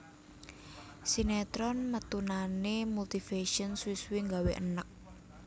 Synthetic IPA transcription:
sinet̪ɾɔnmət̪unanemult̪ifeʃɔnswiswiŋɡaweʔə̰nək̚

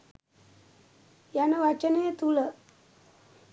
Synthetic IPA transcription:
janəʋat͡ɕəneet̪ulə

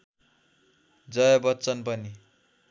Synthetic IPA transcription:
d͡zʌjʌbʌt̪ːt͡sʌnpʌni

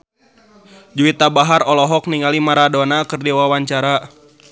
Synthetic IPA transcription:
d͡ʒuwit̪abaɦarɔlɔɦɔkniŋalimaɾadɔnakɨrdewawaɲt͡ʃaɾa

